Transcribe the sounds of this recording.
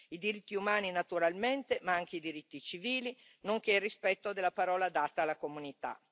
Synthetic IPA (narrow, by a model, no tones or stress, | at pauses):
id̪iɾit̪ːiumaːninat̪uɾalment̪emaaŋk̟eid̪iɾit̪ːit͡ʃiviːli | noŋk̟erispɛt̪ːod̪elːapaɾɔːlad̪aːt̪aːlːakomunit̪a̰